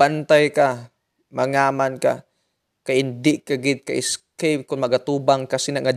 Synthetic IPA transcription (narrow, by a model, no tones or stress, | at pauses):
bant̪ajka | maŋaːmanka̰ | kajɪnd̪ɪʔkaɡɪd̪̚ka̰ʔɪskejp̚kʊnmɐɡat̪uːbaŋkasɪnaŋa